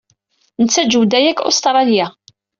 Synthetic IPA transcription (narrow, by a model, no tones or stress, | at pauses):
nət͡sːæd͡ʒuwd̪æjæko̰st̪ɾˤɑljæ